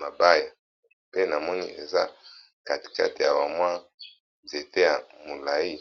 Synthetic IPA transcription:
ma˨ba˦ja˨ | pe˦na˨mɔ˦ni˦e˨za˦ | ka˨ti̥˨ka˦ti˨ja˨wa˨mwa˦ | nze˨te˦ja˨mo˨la˨ji˦

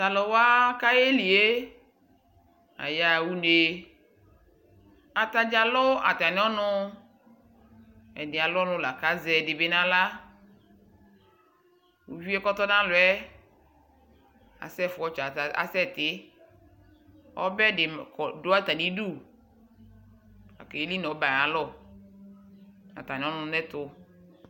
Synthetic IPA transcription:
t̪a˨lɔ˨wa˦ka˦je˦li˨e˦ | a̰˨ja˨wu˦ne˨ | a˨t̪a˨d͡ʒa˨lɔ˦a̰˨t̪a˨n˦ɔ˦nʊ̃˦ | ɛ˨nɪ˨a˨lʊ˦ɔ˦nʊ̃˦la˨ka˦zɛ˨dɪ˨be˦nã˦la˦ | wṵ˨vi˦ɛ˦kɔ˦t̪ɔ˦nã˦lʊ˨ɛ˦ | a̰˨sɛ˦fʊ˨ɔ˦t͡ʃa˨a̰˨sɛ˦˨t̪ɪ˦ | ɔ̰˦bɛ˦dɪ˨kɔ˨do˨˦a˦t̪a˨di˦du˦˨ | a̰˨kɛ˨e˦li˦nɔ˨˦ba˨a˨lɔ˦˨ | a̰˨t̪a˨nĩ˨˦ɔ˦nʊ̃˦nɛ˦t̪ʊ˦

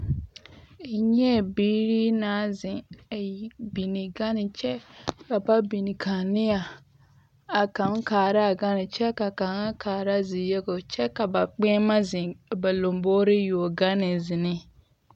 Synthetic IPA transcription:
e˨ɲɛ˦˨biː˦ɾi˦naː˨˦zɪ˨a˨bi˨nɪ˨ɡa˦nɪ˨t͡ʃɛ˦ka˨ba˦bi˨ni˨kʰa˨nɪ˦a˨ | a˨ka˨˦ŋ˦kaː˨ɾa˦˨ɡa˦nɪ˨t͡ʃɛ˦ka˨ka˨ŋa˦kʰaː˨ɾa˦˨zɪ˨jɛ˦ɡo˨t͡ʃɛ˦ka˨ba˨k͡pɛ˦ma˦zɪ̃˨ba˨lo˨mboː˦ɾɪ˦jo˨o˨ɡa˦nɪ˨zɪ˨nɪ˦

